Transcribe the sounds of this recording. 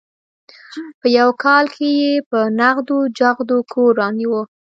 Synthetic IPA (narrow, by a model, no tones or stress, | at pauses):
pəjawkɑlkʰejepənaɣd̪od͡ʒaɣd̪okʰoɾɑniwo